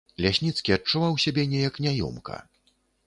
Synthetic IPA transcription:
lʲasʲnʲit̪skʲiɐt͡ʂːuvawsʲabʲɛnʲɛjɐknʲajɔ̰mkɐ̰

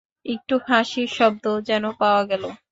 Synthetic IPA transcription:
ek̚ʈuhʰaʃiɾʃɔb̚d̪od͡ʑɛnopaoaɡɛlo

